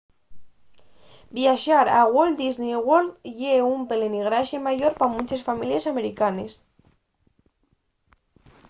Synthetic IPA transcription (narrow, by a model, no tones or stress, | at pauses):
bjaʃaɾa̰ɣold̪iznewoldʝeumpeleniɣɾaʃjemaʝoɾpamut͡ʃesfamiljesameɾikanes